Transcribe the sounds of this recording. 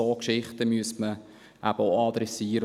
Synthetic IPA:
oːkʃɪχtəmyəstmə | ʔæb̥əoɑd̪ɾɛsiːəɾə

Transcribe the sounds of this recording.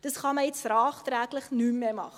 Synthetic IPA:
d̥ətχɑməɛtsrɑːχtɾækləχnymmemɑ̰χ

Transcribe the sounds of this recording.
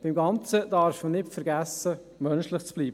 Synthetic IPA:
b̥ɪmɡɑnt͡səd̥ɑɾfmənɪtfəɾɡæsːə | mœnʃlɪχt͡sb̥liːbə

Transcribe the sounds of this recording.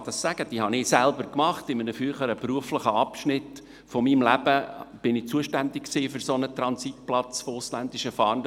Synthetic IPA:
d̥ɑsːæɡ̥əd̥iːhɑnɪːsælbəɾkmɑχt̪ɪmənəfyəχəɾəpruəfləχəɑpʃnɪt | fomimlæb̥əb̥ɪnɪt͡suəʃtænd̪ɪkksiːfʏɾsonət̪ɾɑnsit̚plɑt͡sfoʊslænd̪ɪʃəfɑːn

